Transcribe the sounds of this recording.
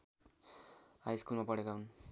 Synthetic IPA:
ajskulmapʌɽekaɦun

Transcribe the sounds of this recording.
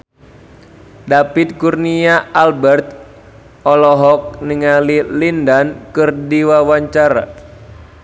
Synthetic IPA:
dapit̪̚kurniaalbɛrt̪̚ | ɔlɔɦɔk̚nəŋalilindankɨrdiwawaɲt͡ʃaɾa̰

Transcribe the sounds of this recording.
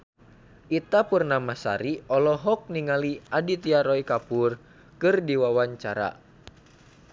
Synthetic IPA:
ʔit̪apurnamasa̰ɾiɔlɔɦɔk̚niŋaliadit̪iaɾɔikapur | kɨrdiwawaɲt͡ʃa̰ɾa̰

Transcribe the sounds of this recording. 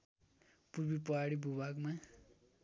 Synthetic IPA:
purbipʌɦaɽibʱubaɡma

